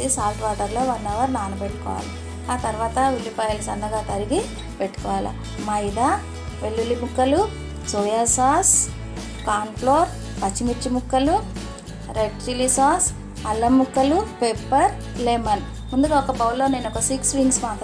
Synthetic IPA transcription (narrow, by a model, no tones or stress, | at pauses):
isaːlʈʋaːʈɐɾlo̞ːʋɐnːɐʋɐɾnaːnɐbeʈːu̥kɔ̰ːʋa̰ːlɐ | aːt̪ɐɾʋaːt̪ɐʋilːipaːjɐlsɐnːɐɡaːt̪ɐɾiɡi | peʈːu̥kɔːʋaːlɐ̰ | mɐjd̪a | ʋe̞ɭːulːimukːɐlu | soːjasaːs | kaːnploːɾ | pɐt͡ʃːimit͡ʃːimukːɐlu | ɾeʈɾilisaːs | ɐlːɐmukːɐlupeːpːɐɾ | lemɐn | mund̪uɡɐɔkɐbɐwlo̞ːne̞ːnɔkɐsiksʋiŋɡsmaːt̪